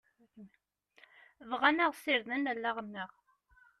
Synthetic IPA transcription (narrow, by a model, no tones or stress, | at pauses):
vʁanəʁsiɾðənælːæʁənːəʁ